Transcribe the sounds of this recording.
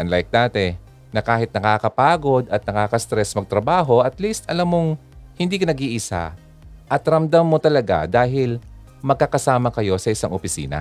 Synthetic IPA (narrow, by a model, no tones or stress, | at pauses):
ʔɐnlajk̚naːt̪ɛ | nɐkaːɦɪt̪̚nɐkaːkɐpaːɡo̞d̪ɐt̪̚nɐkaːkɐst̪ɾɛsmɐɡ̚t̪ɾɐbaːɦo̞ʔɐt̪list̪ɐlamːoŋ | hɪnd̪iːkɐnɐɡiʔɪsa̰ | ʔɐt̪ɾɐmd̪amːo̞t̪ɐlɐɡa̰d̪aːɦɪl | mɐɡ̚kakɐsaːmɐkɐjo̞sɐʔɪsaŋʔopɪsḭːnɐ̰